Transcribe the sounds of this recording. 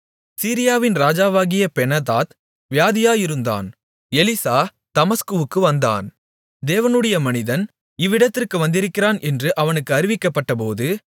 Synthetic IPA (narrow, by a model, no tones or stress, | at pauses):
siːɾɪjaːʋɪnɾaːd͡ʒaːʋaːɣɪjɐpɛnɐðaːt̪ | ʋɪjaːðɪjaːjɪɾɯnd̪a̰ːn | ɛlɪsaː | t̪ɐmɐskɯʋɯkːɯʋɐnd̪a̰ːn | d̪eːʋɐnɯɽɐjɐmɐnɪðɐn | ɪʋːɪɽɐt̪ːɪrkɯʋɐnd̪ɪɾɯkːɪɾaːnʔɛndrɯʔɐʋɐnɯkːɯɐɾɪʋɪkːɐpːɐʈːɐpoːðɯ